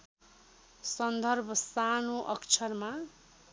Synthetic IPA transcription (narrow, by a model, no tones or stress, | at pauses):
sʌnd̪ʱʌrbʱʌsanoʔʌkt͡sʰʌrma